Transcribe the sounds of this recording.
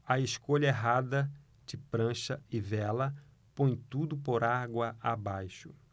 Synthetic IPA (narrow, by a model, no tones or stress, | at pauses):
ɐeskoʎɐeɦad̪ɐ | d͡ʒɪpɾɐ̃ʃɐɪvɛlɐ | põj̃t̪ud̪ʊpoɾaɡwɐʔabajʃʊ